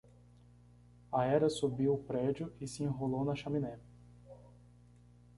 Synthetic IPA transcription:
ɐɛɾɐsubiwʊpɾɛd͡ʒiʊɪsɪẽɦolownɐʃɐminɛ

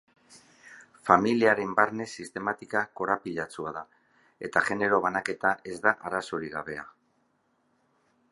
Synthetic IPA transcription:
familiaɾe̞mbaɾne̞sist̪e̞mat̪ikako̞ɾapiʎat͡suaða | e̞t̪aʝe̞ne̞ɾo̞βanake̞t̪aʔe̞zd̪aʔaɾaso̞ɾiɣaβe̞a

